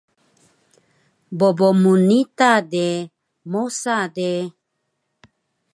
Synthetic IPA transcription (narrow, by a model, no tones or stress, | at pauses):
bobomunit̪ade | mosade